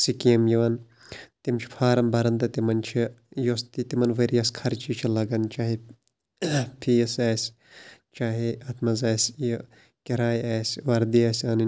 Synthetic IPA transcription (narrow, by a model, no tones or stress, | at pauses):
sikiːmjiʋɐn | t̪imt͡ʃʰi̥pʰaːɾɐmbɐɾɐnd̪ɐt̪imɐnt͡ʃʰijost̪it̪imɐnʋɐɾijɐskʰɐɾt͡ʃit͡ʃʰilɐɡɐnt͡ʃaːɦi | pʰiːɐsaːsʲ | t͡ʃaːɦiɐt̪ʰmɐzaːsʲj | kiɾaːjaːsʲʋɐɾd̪iɐsʲɐnɐ